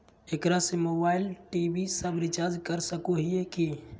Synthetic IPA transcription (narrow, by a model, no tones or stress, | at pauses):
ekɾasemobailʈibʱisəbɾit͡ʃaɾd͡ʒkəɾsəkoɦijeki